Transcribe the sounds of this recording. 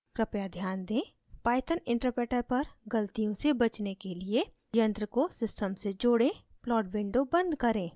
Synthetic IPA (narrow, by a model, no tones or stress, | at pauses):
kɾɐpjad̪ʱjaːnd̪ẽː | paːɪt̪ʰənɪ̃ɳʈəɾpeːʈəɾpɐɾɡəlt̪ijõsebɐt͡ʃnekelie | jə̃nt̪ɾəkosɪsʈəmsed͡ʒoːɽẽplɔːɖwɪ̃ɳɖobə̃nd̪kɐɾẽː